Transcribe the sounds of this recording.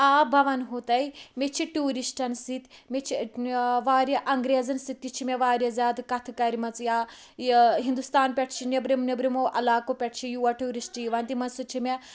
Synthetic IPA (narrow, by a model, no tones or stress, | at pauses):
aːbʱɐʋɐnɦut̪ɐjmet͡ʃʰiʈuːɾisʈɐnsit̪met͡ʃʰiʋaːɾʲɐʔɐŋɡɾeːzɐnsit̪ʲːit͡ʃʰimʲeʋaːɾʲjɐzʲjaːd̪kɐt̪ʰkɐɾmɐt͡sjaː | ɦind̪ust̪aːnpʲɛʈʰt͡ʃʰinebɾimnebɾimoːʔɐ̰laːkopʲɛʈʰt͡ʃʰijuːaʈuːɾisʈjiʋɐnt̪imɐnsut͡ʃʰime